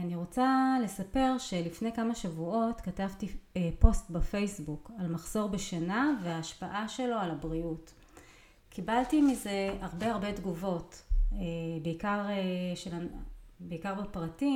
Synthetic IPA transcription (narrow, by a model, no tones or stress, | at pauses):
aniʁo̞t͡sale̞sape̞ʁʃe̞lifne̞jkamaʃavuo̞tkatavtiepo̞stbafejsbukalmaχz̥o̞ʁbeʃanaveaːʃpaʔaʃe̞lo̞alabʁiut | kibaltimize̞aʁbe̞aʁbe̞dɡuvo̞tebeikaʁeʃelabeikaʁbepʁati